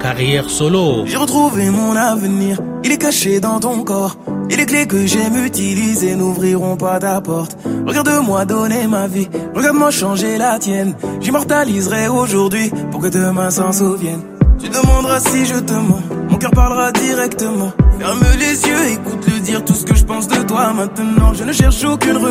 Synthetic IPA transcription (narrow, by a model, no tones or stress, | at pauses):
kaʁjɛʁsɔloʒeʁət̪χuvemɔ̃navəniʁ | ilɛkaʃed̪ɑ̃t̪ɔ̃kɔːʁilɛklekəʒɛmyt̪ilizenuvʁiʁɔ̃pat̪apɔʁt̪ʁəɡaʁd̪əmwad̪ɔnemaviʁəɡaʁd̪əmɑ̃ʃɑ̃ʒelat̪jɛnʒimɔʁt̪alizʁɛoʒuʁd̪ɥipuʁkəd̪əmasɑ̃ʁsovjɛn | t̪yd̪əmɑ̃d̪ʁasiʒət̪əmɑ̃ʁmɔ̃kœʁpaʁləʁad̪iʁɛkt̪əmɑ̃fɛʁməlezjøekut̪ləd̪iʁt̪usə̥kəʒəpɑ̃sd̪ət̪wamɛ̃t̪ənɑ̃ʒənəʃɛʁʃokʲynʁə